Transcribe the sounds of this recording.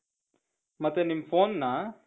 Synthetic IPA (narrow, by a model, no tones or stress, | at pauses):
mət̪enimfonːa